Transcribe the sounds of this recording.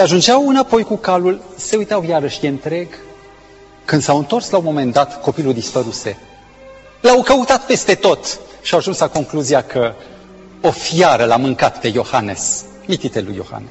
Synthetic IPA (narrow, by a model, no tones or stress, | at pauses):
eaʒund͡ʒeawɨnapo̞jkukalulse̞ujt̪awjaɾəʃjeɨnt̪ɾe̞ɡ | kɨnd̪sawɨnt̪o̞rslaumo̞me̞nd̪at̪ko̞piluld̪ispəɾuse̞ | lawkəut̪at̪pe̞st̪e̞t̪o̞t̪ʃiawaʒunslako̞ŋkluzijakʰə | ofijaɾəlamɨŋkat̪pe̞jo̞hane̞̰s | mit̪it̪elṵjːo̞̰ha̰nes